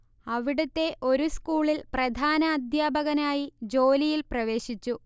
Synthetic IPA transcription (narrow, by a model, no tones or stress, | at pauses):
ɐʋiɽut̪ːe̞ʔo̞ɾuskuːɭilprɐd̪ʱaːnɐːd̪ʱjaːbʱɐɣɐnaːjid͡ʑo̞ːlijilprɐʋe̞ːɕit͡ɕːu